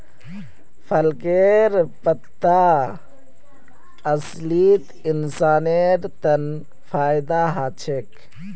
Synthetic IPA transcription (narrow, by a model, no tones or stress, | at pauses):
pʰəlkeɾpət̪ːa | əs | liːt̪ | insaːneɾt̪ɐn | pʰaːjd̪aɦat͡ʃʰek